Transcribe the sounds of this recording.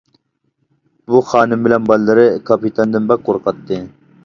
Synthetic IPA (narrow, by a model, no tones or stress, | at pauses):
buχɑːnɨmbɪlɛnbɑlːɨɾɨkʰɑpit̪ʰɑnd̪ɪnbɛk̚qʰoɾqɑt̪ːɨ